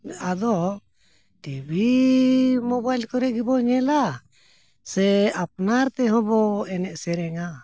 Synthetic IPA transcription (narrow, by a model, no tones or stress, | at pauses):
ad̪ɔ | ʈibi | mɔbajlkɔɾɛɡibɔɲɛla | sɛap̚naɾt̪ɛɦɔ̃bɔɛnɛʔsɛɾɛŋa